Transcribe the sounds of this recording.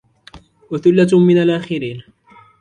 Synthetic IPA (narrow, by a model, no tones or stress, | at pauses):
waθʊlːamɪnalʔaːxɪɾiːn